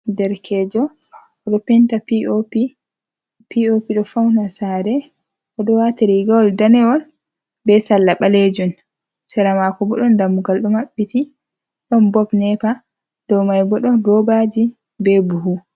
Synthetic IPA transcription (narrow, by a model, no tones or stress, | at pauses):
dɛɾkʰɛd͡ʒɔ | ɗɔpɛntapiopi | piopiɗɔfawnasaɾɛ | ʔɔɗɔwatiɾiɡaɔldanɛɔl | bɛsalːaɓaled͡ʒun | sɛɾamakɔbɔɗɔndamːuɡalɗɔmaɓːiti | ɗɔnbɔpnɛpa | d̥ɔwmajbɔɗɔdɔbad͡ʒi | bɛbuɦu